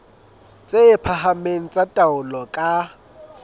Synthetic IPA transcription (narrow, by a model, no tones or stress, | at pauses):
t͡sʼeɪpʰahamen̩t͡sʼatʼaʊlɔkʼa